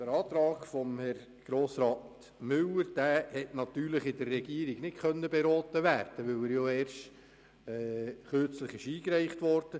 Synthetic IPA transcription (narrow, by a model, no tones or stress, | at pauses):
d̥əɾɑːt̪ɾɑːɡfɔmhɛr | ɡ̥ɾoːsɾɑːt | mʏləɾd̥æːhɛtnɑt̪yːɾləχɪdərːɛɡiːəɾɪɡnɪtkœnːəbeɾɔːtəʋæːɾd̥əʋɵwæːɾjoɛːɾʃt | ɛːχøɾt͡sləχɪʃiːkɾæɪχtʋɔɾd̥ə